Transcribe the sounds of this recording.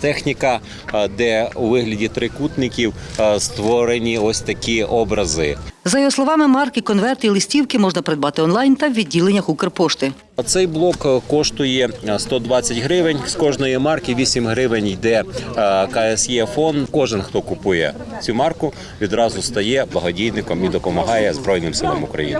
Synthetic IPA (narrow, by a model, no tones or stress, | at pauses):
t̪ɛxnʲikɐ | d̪ɛuʋɪɦlʲɐdʲit̪ɾɪkut̪nɪkʲiwst̪ʋɔɾenʲiɔsʲt̪ɐkʲiɔbɾɐzɪ̰zɐjɔɦɔslˠɔʋɑmɪmɑrkɪkɔnʋɛrt̪ilˠɪsʲtʲiwkɪmɔʒnɐpeɾed̪bɑt̪ɪɔnlˠɑjnt̪ɐwʋʲidʲːilˠenʲːɐxukɪrpɔʃt̪ɪ | t̪sɛjblˠɔkkːɔʃt̪ʊjɛst̪ɔd̪ʋɑt͡sʲːɐtʲɦɾɪʋɪnʲskɔʒnɔjimɑrkɪʋʲisʲimɦɾɪʋɪnʲjd̪ɛ | kɐɛsjɛfɔnkɔʒɪnxt̪ɔkʊpujɛ̰t͡sʲumɑrkʊ | ʋʲid̪ɾɑzʊst̪ɐjɛblˠɐɦɔdʲijnɪkɔmid̪ɔpɔmɐɦɑjɛzbɾɔjnɪmsɪlˠɔmʊkɾɐ̰jḭnɪ